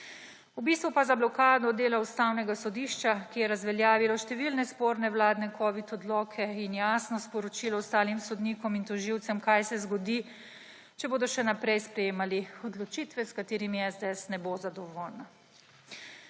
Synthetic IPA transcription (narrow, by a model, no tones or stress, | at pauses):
ubiːst̪ʋupazablɔkaːd̪ɔd̪eːlaust̪awnɛɡasɔd̪iʃt͡ʃakijɛɾazʋɛljaːʋilɔʃt̪ɛʋilnɛspoːɾnɛwlaːd̪nɛkʰɔːʋit̪ɔd̪lɔːkʰɛinjaːsnɔspɔɾɔt͡ʃiːlɔwst̪aːlimsɔd̪niːkɔmint̪ɔʒiwt̪sɛmkajsɛzɡɔd̪i | t͡ʃɛboːd̪ɔʃɛnapɾɛjspɾɛjeːmaliɔd̪lɔt͡ʃiːt̪ʋɛskat̪eːɾimiɛzd̪eɛsnɛbozad̪ɔʋoːlna